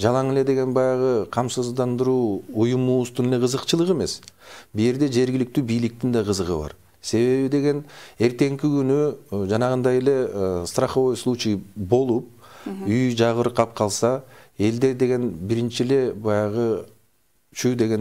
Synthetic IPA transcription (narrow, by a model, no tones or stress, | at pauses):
d͡ʒɑlˠɑŋele̞d̪e̞ɡe̞nbɑjɑʁɯqʰɑmsuzd̪ɑnd̪ɯɾuːujumuust̪unele̞qʰɯzɯqt͡ʃɯlˠɯʁe̞me̞sbije̞ɾd̪e̞d͡ʒe̞ɾɡʲilik̚t̪yːbijlik̚t̪ind̪ɑqʰɯzɯʁɯβɑ̰ɾ | se̞βe̞βid̪eɡe̞ne̞ɾt̪e̞ŋkiɡynyd͡ʒɑnɑʁɯnd̪ɑje̞le̞st̪raχovojslˠut͡ʃibo̞lˠup̚yjd͡ʒɑʁɯɾqʰɑp̚qʰɑlˠsɑe̞ld̪e̞d̪e̞ɡe̞nbiɾint͡ʃile̞bɑjɑʁɯ | t͡ʃʰyd̪e̞ɡe̞n